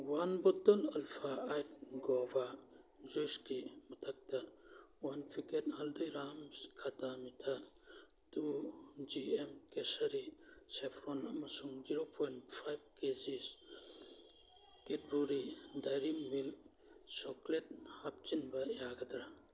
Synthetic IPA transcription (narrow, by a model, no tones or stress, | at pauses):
wanbɔtɔnɐlpʰaːjtɡɔba | zojskimɐtʰɐk̚tɐwanpʰiket̚hɐldijɾamskʰatamitʰa | tud͡ʒiemkesɐɾisepʰɾonɐmɐsuŋd͡ʒiɾopʰojntpʰajb̚kezis | ket̚buɾidajɾimmil | soklet̚hap̚t͡ʃinbɐjaɡɐdɾa